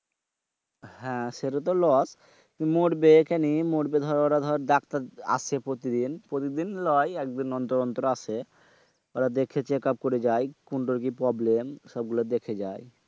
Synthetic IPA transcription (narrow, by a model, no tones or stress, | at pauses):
ɦɛ̃ʃeɾot̪̬olɔs | kimoɾbekɛnimoɖbed̪ʱɔɾoɾad̪ʱɔɾeɾd̪akt̪aɾa̰t͡ʃʰepɾot̪id̪inpɾot̪id̪inlɔjɛk̚d̪inːɔnt̪oɾɔnt̪ɾoaʃʰe | oɾad̪ekʰet͡ɕekap̚koɾed͡ʑajkuɳʈoɾk̬ipɾɔblemʃɔb̚ɡulad̪ekʰed͡ʑaj